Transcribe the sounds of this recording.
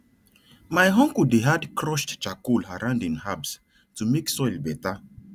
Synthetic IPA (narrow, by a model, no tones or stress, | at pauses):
majɦɔ̃ŋkudeɦadkʰɹɔʃtt͡ʃakulaɾãʊ̃ndĩŋhabs | tumeksɔjlbɛta